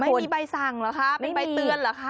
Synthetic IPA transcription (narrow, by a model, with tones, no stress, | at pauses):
ma˥u˨˩˦i˧˩baː˧jsa˨˩ŋlːkʰa˦˥˩ma˥˩i˧ba˧t̪ɯ˧ənlaː˨˩kʰa˧˥˩